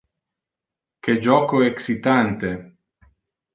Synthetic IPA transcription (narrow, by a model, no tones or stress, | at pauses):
ked͡ʒɔːkoeksit̪ant̪e